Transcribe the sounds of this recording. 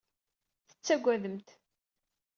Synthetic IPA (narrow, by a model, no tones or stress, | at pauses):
θə̥t͡sːæɡʷːæðəmt̪